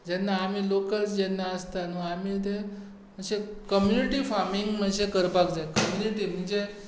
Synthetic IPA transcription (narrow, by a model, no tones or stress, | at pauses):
d͡ʑɛnːaːm̤iːlokəlsd͡ʑɛnːaəst̪anuamiːt̪e | m̤əɽd͡ʑekəmjuniʈiːfaɾmiŋɡm̤əɳd͡ʑekəɾpakd͡zaekəmjuniʈiːm̤əɳd͡ʑe